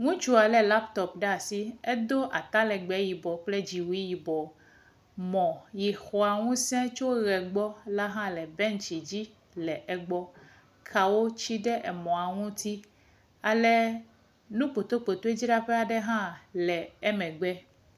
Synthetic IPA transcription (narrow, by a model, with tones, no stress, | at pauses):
ŋũ˦t͡ʃu˦a˨lɛ˨la˦pt̪ɔ˨pɖɛ˦a˨si˦e˦d̪o˦ʔa˨t̪a˦lɛ˨ɡ͡bɛ˨˦ji˨bɔ˨k͡ple˦d͡ʑi˨wi˦ji˨bɔ˨ | mɔ̃˨ji˨xɔ˨a˨ŋũ˦sɛ̃˦t͡ʃo˦ɣɛ˨ɡ͡bɔ˦la˦ɦã˦lɛ˨bɛ̃˦nt͡ʃi˨d͡ʑi˦ | lɛ˨ʔɛ˨ɡ͡bɔ˦ | kʰa˨wo˦t͡ɕi˦ɖɛ˦ʔɛ˨mɔ̃˨a˨ŋũ˦t̪i˦ | a˨lɛ˨ | nũ˦k͡po˨t̪o˦k͡po˨t̪o˦e˦d͡ʑi˦ɖa˦ɸe˦a˨ɖɛ˦ɦã˦lɛ˨e˦mɛ̃˨ɡ͡bɛ˦